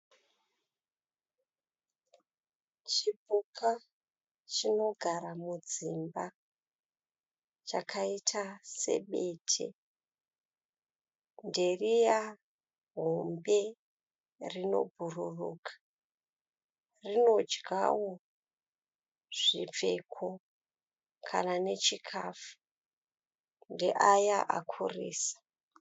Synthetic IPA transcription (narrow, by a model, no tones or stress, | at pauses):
t͡ʃibʱukʰa | t͡ʃino̞ɡʱaɾamud͡zimba | t͡ʃakʰaitʰase̞̰ɓe̞tʰḛ | nde̞rija | ɦombe̞ | rino̞̰bʱururuːkʰḁ | rino̞d͡ʒɡʱa̰wo | ʐ̥ib͡ve̞kʰo | kʰa̰nane̞t͡ʃikʰafu̥ | ndeʔajaʔa̰kʰuriːsḁ